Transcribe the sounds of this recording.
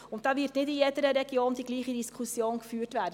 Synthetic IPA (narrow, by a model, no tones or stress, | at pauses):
ʊntd̥ɑːvɪɾtnɪtiɛtəɾəɾɛɡ̥joːndiːɡliːχədiskʰʊsjoːnɡəfyːɾtvæːɾd